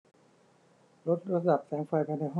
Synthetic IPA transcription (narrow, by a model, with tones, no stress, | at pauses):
lo˦˥t̪̚ɾa˦˧˥t̪̚ɗa˨˩p̚sɛː˩˦ŋfa˨˩jpʰa˧˩na˨˧˩ɦɔː˥